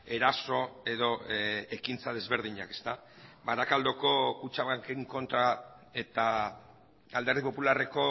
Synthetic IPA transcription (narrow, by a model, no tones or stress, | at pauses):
e̞ɾaso̞e̞ðo̞e̞kint͡sað̞e̞zβe̞ɾð̞iɲake̞st̪a | baɾakald̪oko̞kut͡ʃaβakeŋko̞nt̪ɾa | e̞t̪a | ald̪eɾð̞ipo̞pulare̞ko̞